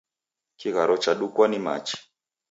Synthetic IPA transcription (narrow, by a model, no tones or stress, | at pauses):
t͡ʃiɣaɾɔt͡ʃaɗukwanima̰t͡ʃi̥